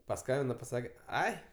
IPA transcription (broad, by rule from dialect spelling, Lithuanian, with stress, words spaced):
pɐˈskɐmʲbʲɪnɐ pɐˈsɑːkʲɛ ˈɐɪ